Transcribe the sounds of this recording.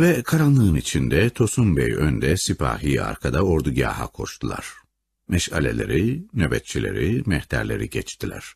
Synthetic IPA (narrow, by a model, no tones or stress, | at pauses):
vɛkʰaɾanlˠɯɯnit͡ʃʰind̪ɛt̪ʰo̞sumbɛjønd̪ɛsipʰa̰ːɦiːa̰ɾkʰad̪ao̞ɾd̪uɟaːɦa̰kʰo̞ʃt̪ʰulˠa̰ɾ̥ | mɛʃalʲḛlʲe̞ɾinø̞bɛt̪̚t͡ʃʰilʲe̞̰ɾimɛht̪ʰæɾlʲe̞̰ɾiɟɛt͡ʃt̪ʰilʲæ̰ɾ̥